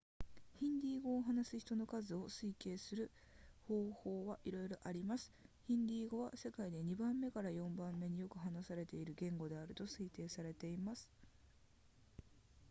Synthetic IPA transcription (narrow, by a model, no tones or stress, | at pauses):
çĩnd̪ʲiːɡo̞ːɦanasɨ̥çi̥t̪o̞no̞kazɨo̞sɨike̞ːsɨɾɯ̟ | ho̞ːho̞ːβaʔiɾo̞jɾo̞ʔaɾʲimasɨ̥çĩnd̪ʲiːɡo̞βase̞kaid̪e̞ɲ̟ibãmːe̞kaɾajõ̞mbãmːe̞ɲ̟ijo̞kɯ̟ɦanasaɾe̞t̪e̞iɾɯ̟ɡẽ̞ŋɡo̞d̪e̞aɾɯ̟t̪o̞sɨit̪e̞ːsaɾe̞t̪e̞imasɨ̥